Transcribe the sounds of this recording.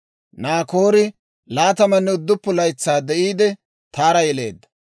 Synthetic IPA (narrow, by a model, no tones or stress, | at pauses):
naːkoːɾɪ | laːt̪ɐmɐnːɛʊd̪ːʊpːʊlɐjt͡sːaːd̪ɛʔiːd̪ɛ | t̪aːɾɐjɛle̞̰ːd̪ːɐ̥